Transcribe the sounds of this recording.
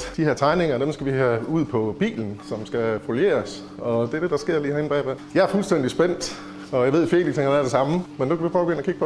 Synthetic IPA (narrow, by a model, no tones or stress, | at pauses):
d̥iheɐ̰t͡sʰɑ̈ɪne̝ŋɐd̥emsɡ̥æʋiɦæuð̞̰ˠpʰɒ̽b̥ḭːln̩sɒ̽msɡ̥æfolje̝̰ːɐs | ɒ̽d̥e̝æd̥e̝dɑ̈sɡ̥e̝ɐ̰liːhæɐenb̥ɛ̰ːb̥æjɑ̈æɐfulsd̥en̰d̥isb̥en̰d̥ | ɒ̽jɑɪʋe̝̥fe̝ːliɡseŋhænæɐd̥e̝sɑ̈məmenukʰæʋifʰɒːb̥eɡøn̩əɐkʰiɡ̥pɒ